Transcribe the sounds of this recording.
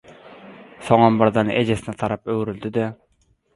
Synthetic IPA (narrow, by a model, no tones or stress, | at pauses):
soŋɑnbɑɾd̪ɑnʔed͡ʒɛsɪnɛt̪ʰɑɾɑpøwɾyld̪ɪd̪ɛ